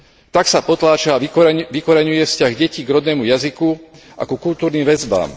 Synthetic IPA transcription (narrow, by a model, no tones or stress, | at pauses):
t̪aksapɔt̪laːt͡ʃaaʋikɔɾɛɲujɛfscaɣɟɛciːɡɾɔd̪nɛːmujaziku | ʔa̰kukult̪uːɾniːmʋɛzba̰ːm